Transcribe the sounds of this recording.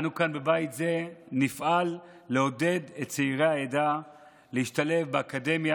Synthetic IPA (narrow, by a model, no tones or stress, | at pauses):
anukanbebajt̪ze̞nifʔalː | eo̞de̞d̪ett͡seiʁeaed̪a | lehiʃtale̞fbeakade̞mja